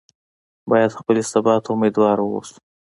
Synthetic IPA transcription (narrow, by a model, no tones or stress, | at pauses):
bɑjad̪xpəlesabɑt̪ʊmed̪wɑɾwo̰su̥